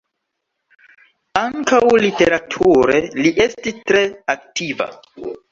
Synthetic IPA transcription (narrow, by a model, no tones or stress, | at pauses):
aŋkawlite̞ɾatʰuɾeliʔe̞stistɾe̞ak̚tiva̰